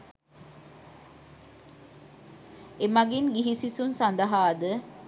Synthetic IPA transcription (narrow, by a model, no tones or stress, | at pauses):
emaɡinɡiɦisisunsand̪əɦaːd̪ə